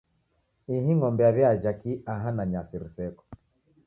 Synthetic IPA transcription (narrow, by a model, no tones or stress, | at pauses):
iɦiŋɔmbɛaβjad͡ʒakiaɦanaɲasiɾisɛkɔ̥